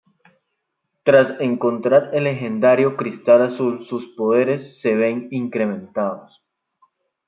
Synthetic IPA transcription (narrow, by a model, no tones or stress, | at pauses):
t̪ɾase̞ŋko̞nt̪ɾaɾe̞le̞xe̞nd̪aɾjo̞kɾist̪alasulsuspo̞ðe̞ɾe̞sːe̞βe̞ŋiŋkɾe̞mẽ̞nt̪aðos